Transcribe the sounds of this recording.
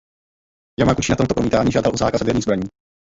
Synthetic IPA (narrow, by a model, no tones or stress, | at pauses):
jamakut͡ʃiːnat̪omt̪opɾomiːt̪aːɲiːʒaːdalʔuzaːkasavjɛɾɲiːzbɾaɲiː